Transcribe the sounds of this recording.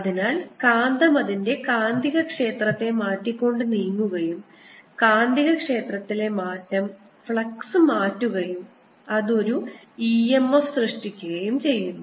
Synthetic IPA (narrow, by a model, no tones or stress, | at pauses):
ɐðinaːlkaːnd̪ɐmɐðinde̞kaːnd̪ʱiɣɐkʂe̞ːt̪rɐt̪ːe̞maːtːikʲːo̞ɳɖɨniːŋːuɣɐjum | kaːnd̪ʱiɣɐkʂe̞ːt̪rɐt̪ːile̞maːtːɐm | fɭɐksɨmaːtːuɣɐjum | ɐðo̞ɾu | iːemːɐfsrɨʂʈikʲːuɣɐjumt͡ɕe̞jːunːu